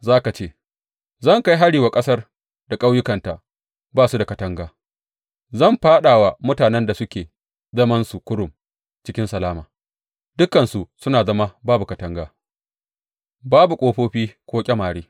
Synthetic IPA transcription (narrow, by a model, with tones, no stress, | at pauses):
zaː˦ka˨t͡ʃeː˦˨ | zɐ˦˨ŋka˦jɦa˦ɽiː˨wa˨kʼɐ˦sɐ˦r | da˨kʼa˦wjʊ˦kɐ˨nta˨ʔ | baː˦˨su˦da˨kɐ˨tɐ˦ŋɡaː˦ | zɐ˦˨mɸaː˦ɗaː˨wa˨mʊ˦taː˨nɛ˦nda˨sʊ˦kʲeː˨ | zɐ˦mɐ˦nsu˨kʷʊ˦ɽʊ˨m | t͡ʃɪ˦kʲɪ˦nsɐ˨laː˦maː˨ | dʊ˦kːɐ˨nsu˨sʊ˦naː˨zɐ˦ma˦baː˦bu˨kɐ˨tɐ˦ŋɡaː˦ | baː˦bu˨kʷʼoː˦ɸoː˦ɸiː˦kʷoː˦kʲʼɐ˦maː˨ɽiː˦